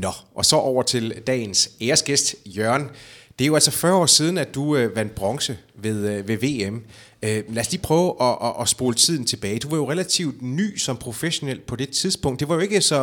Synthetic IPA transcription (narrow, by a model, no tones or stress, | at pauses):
nɒ̽ʔɒ̽sɒ̽ʔɒʊ̰ɐt͡sʰe̝ld̥ɛ̰ːnseːɐsɡ̥esd̥jɶɐ̰nd̥eæɐjo̝æl̰sɒ̽fɶɐɒ̰ːsiːð̞ˠn̩æd̥uøʋæn̰d̥̚b̥ʁɒ̽ŋsəʋe̝ðˠʋe̝ʋe̝̰ːem | ølæːɐsliːpʰʁœːʊʔɒ̽ʔɒʔɒsb̥o̝ːlət͡sʰið̞̰ˠn̩t͡sʰe̝b̥ɛːɪd̥uʋɑ̈jo̝ʁelæt͡sʰiʊd̥ny̰ːsɒ̽mpʰʁo̝feɕo̝nel̰̥̚pʰɒ̽d̥e̝t͡sʰiðˠsb̥ɔ̽ŋ̰d̥e̝ʋɑ̈jo̝e̝ɡ̥əsɒ̽